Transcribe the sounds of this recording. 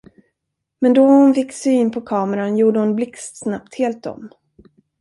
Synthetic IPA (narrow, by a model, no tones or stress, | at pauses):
mɛnd̪ɔhʊnfɪkːsyːnpʰɔkʰɑːməɾanjuːɖəhʊnblɪkst̪snap̚t̪heːlt̪̚dɔ̰m